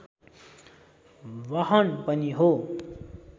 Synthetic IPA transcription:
ʋʌɦʌnpʌniɦo

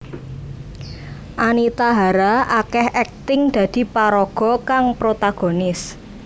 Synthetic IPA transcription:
ʔanit̪aɦaɾaʔakɛhɛk̚t̪ɪŋd̪̥a̤d̪̥i̤paɾɔɡ̥ɔ̤kaŋpɾot̪aɡ̥o̤nɪs

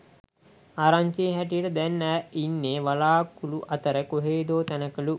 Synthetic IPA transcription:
aːɾaɲt͡ʃiːɦæʈ̬ijəʈəd̪ɛnːæinːeːʋalaːkuluʔat̪əɾəkoɦeːd̪oːt̪ænəkəlu

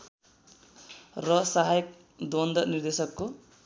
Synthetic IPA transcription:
rʌsaɦajʌk̚ | d̪ond̪ʌnird̪esʌkːo

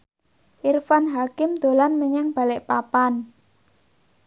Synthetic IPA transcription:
ʔirfanɦakɪmd̪̥o̤lanməɲɛŋb̥a̤lɪʔpapan

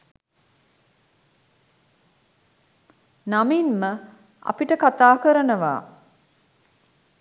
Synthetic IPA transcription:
naminmə | ɐ̰piʈəkat̪aːkəɾənəʋa̰ː

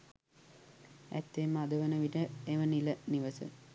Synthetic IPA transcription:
æ̰t̪ːeːmːəad̪uʋənəʋiʈəeʋəniləniʋəsə̰

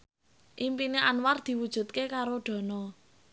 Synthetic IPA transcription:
ʔimpineʔanward̪̥i̤wud̥ʒ̥ṳt̪̚kekaɾoɖ̪̥ɔ̤nɔ

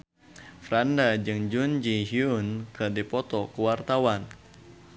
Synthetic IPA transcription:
fɾandad͡ʒɨŋd͡ʒund͡ʒiɦiunkɨrdipɔt̪ɔkuwart̪awan

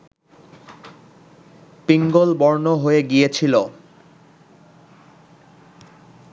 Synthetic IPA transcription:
piŋɡolbɔɾnoɦoeɡijet͡ɕʰilo

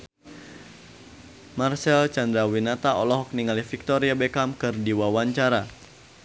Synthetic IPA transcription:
marsɛlt͡ʃand̪ɾawinat̪aɔlɔɦɔk̚niŋalifik̚t̪ɔɾiabɛkamkɨrdiwawaɲt͡ʃaɾa

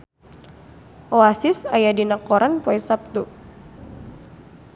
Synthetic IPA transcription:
ʔɔasisajadinakɔɾanpɔɛsap̚t̪u

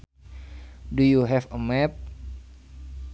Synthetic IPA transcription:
dujuɦɛfəmɛp̚

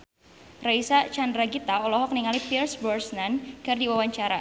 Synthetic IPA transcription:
raisat͡ʃandɾaɡit̪aɔlɔɦɔk̚niŋalipilsbɔrsnanɡardiwawaɲt͡ʃaɾa

